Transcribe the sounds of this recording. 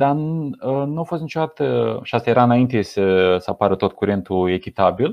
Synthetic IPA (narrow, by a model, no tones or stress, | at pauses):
d̪aənuafost̪nit͡ʃo̞d̪at̪əʃiast̪ajeɾaɨnaint̪e̞səsəapaɾət̪o̞t̪̚kuɾe̞nt̪ue̞kʲit̪abil